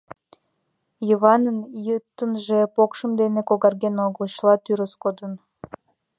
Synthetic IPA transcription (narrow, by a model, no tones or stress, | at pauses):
jəβɑnənjət̪ːənʒepokʃəmd̪enekoɣɑrɡenoɣəlɕlɑt̪yɾəskod̪ən